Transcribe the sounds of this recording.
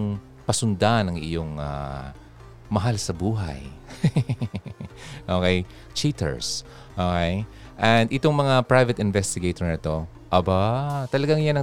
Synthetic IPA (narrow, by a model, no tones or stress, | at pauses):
ŋ | pɐsʊnd̪anɐŋɪ̰joŋa̰ | mɐɦalsɐbuːɦa̰j | ʔoːkej | t͡ʃit̪ɛ̰ɹs | ʔoːkej | ʔɛnd̪ʔɪt̪o̞ŋmɐŋapɹajvɐt̪ɪnvɛst̪ɪɡejt̪oɹnɐt̪o̞ | ʔɐbat̪ɐlɐɡaŋjanɐ